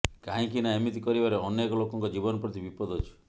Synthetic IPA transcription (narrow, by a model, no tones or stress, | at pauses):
kaɦĩkinaemit̪ikɔɾibaɾeɔnekɔlokɔŋkɔd͡ʒibɔnɔpɾɔt̪ibipɔd̪ʱɔt͡ʃʰu̥